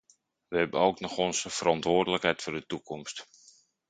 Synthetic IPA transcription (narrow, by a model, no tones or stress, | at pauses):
ʋəɦɛbənowknɔxɔnsəfərɑntʋʊːrdələkɦɛjtfʊːrdətukʰɔmst